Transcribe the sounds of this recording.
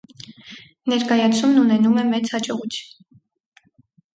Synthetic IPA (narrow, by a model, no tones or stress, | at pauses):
nɛɾkɑjɑt͡sʰumnunɛnumɛmɛt͡shɑt͡ʃɔʁut͡sʰjun